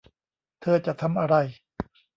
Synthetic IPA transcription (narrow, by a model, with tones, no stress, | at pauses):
t̪ʰɤː˧t͡ɕa˨˩t̪ʰa˧mʔa˧ɾa˧˩j